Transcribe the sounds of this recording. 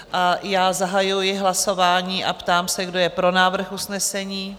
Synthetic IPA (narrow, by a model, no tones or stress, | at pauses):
ʔajaːzaɦajujɪɦlaso̞vaːɲiːʔa̰pt̪aːmsɛɡdo̞jɛpɾo̞naːvr̩xʔusnɛsɛɲiː